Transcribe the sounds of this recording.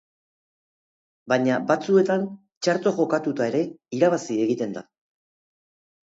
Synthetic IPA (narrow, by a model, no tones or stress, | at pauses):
baɲabat͡sue̞t̪an | t͡ʃaɾt̪o̞ʝo̞kat̪ut̪ae̞ɾe̞iɾaβasie̞ɣit̪e̞nd̪a̰